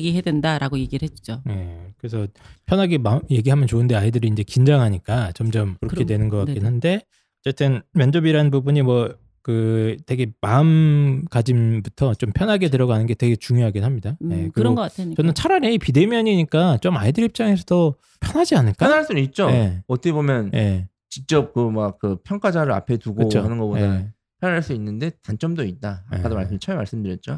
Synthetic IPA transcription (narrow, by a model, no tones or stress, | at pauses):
ɡiɦedwendaɾaɡojeɡiɾɯɭhet͡ɕ͈oje̞kɯɾe̞sʰʌpʰjʌnɦaɡemamje̞ɡiɦamjʌnt͡ɕoɯnde̞aidɯɾiːnd͡ʑe̞kind͡ʑaŋɦaɲik͈at͡ɕʌmd͡ʑʌmkɯɾʌkʰedwenɯnɡʌk͈akkenɦande̞ | ʌt͡ɕ͈e̞t͈ʰɯnmjʌnd͡ʑʌbiɾanbubuɲimwʌ | kɯte̞ɡe̞maɯmkad͡ʑinbutʰʌt͡ɕompʰjʌnɦaɡe̞dɯɾʌɡɦanɯnɡe̞te̞ɡe̞t͡ɕuŋjoɦaɡinɦamɲidaje̞kɯɾʌŋɡʌkatʰet͡ɕʌnɯnt͡ɕʰaɾaɾeipide̞mjʌɲiɲik͈at͡ɕomajedɯɭip̚t͡ɕ͈aŋe̞s̬ʰʌdʌ | pʰjʌnɦad͡ʑianɯɭpk͈aʌnɦaɭs͈uduit̚t͡ɕ͈oje̞ʌtʰʌkʰebomjʌnje̞ | t͡ɕik̚t͡ɕ͈ʌp̚k͈ɯmak̚k͈ːɯpʰjʌŋkʰad͡ʑaɾɯɾa̰pʰe̞tuɡkɯot͡ɕʰohanɯnɡʌpʰojeda | pʰjʌnɦaɭs͈uinːɯnde̞tant͡ɕ͈ʌmdoit̚t͈aa̰kadoma̰ɭs͈ɯmit͡ɕʰʌemaɭs͈ɯmndɯɾjʌt̚t͡ɕ͈o